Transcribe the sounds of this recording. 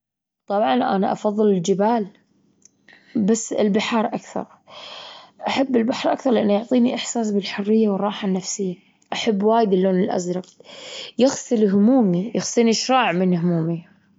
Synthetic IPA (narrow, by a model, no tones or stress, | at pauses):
t̪ˤɑbʕɑnʔana̰ʔɑ̰fɑðˤːɨlɪld͡ʒɪbaːl | basːɪ̰lbɪħɑːɾˤʔakθɑ̰ɾˤ | ʔaħabːɪlbaħɾˤʔakθɑɾˤlɪʔanːijʊʕt̪ˤiːniʔɪħsaːs̬bɪlħʊrːɪjːawɪrˤːɑːħanːafsɪjːa | ʔaħabːwaːjɪd̪ɪlːoːnɪlʔa̰zɾˤɑqjɪɣsɨlɦʊmuːmijɪxsˤiːniʃɾˤɑːʕmɪnɦʊmuːmi